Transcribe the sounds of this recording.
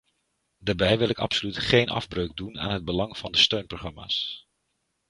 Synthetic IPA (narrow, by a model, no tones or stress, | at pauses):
daːɹbɛjʋɪlˠɪkɑ̰psolytχejnɑ̰vbrøɥɡ̚duna̰ːnɦəd̚bəlɑŋv̥ɑndəstøɥnproχrɑma̰ːs